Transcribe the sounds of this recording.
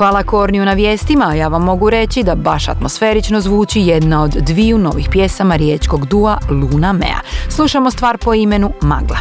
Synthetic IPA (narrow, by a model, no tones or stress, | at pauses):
xʋaːlˠako̞ɾnijunaʋje̞ːst̪imaːjaːʋamːo̞ɡuɾe̞t͡ɕid̪abaʃa̰t̪mo̞sfe̞ːɾit͡ʃnozʋuːt͡ɕije̞d̪nao̞d̪ːʋiuno̞ʋixpje̞samaɾjeːt͡ʃko̞ɡd̪ualˠuːnamḛa̰slˠuʃamo̞st̪ʋaːɾpo̞ime̞numa̰ɡlˠa̰